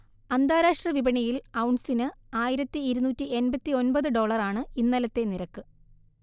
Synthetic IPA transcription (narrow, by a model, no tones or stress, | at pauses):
ɐnd̪ʱaːɾaːʂʈrɐʋibɐɳijilɐwɳsinɨaːjiɾɐt̪ːiːɾunuːtːie̞nbɐt̪ːio̞nbɐðɨɖo̞ːɭɐraːɳɨinːɐlɐt̪ːe̞niɾɐkːɨ